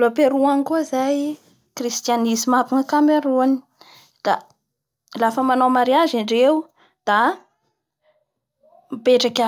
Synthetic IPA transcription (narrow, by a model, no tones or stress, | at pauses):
lopeɾuanikuizaj | krist̪ianizimapiŋəkameɾuani̥ | d̪̥a | lafəmanawmaɾiazaɳɖ͡ʐew | d̪̥a | mipeʈ͡ʂakʲa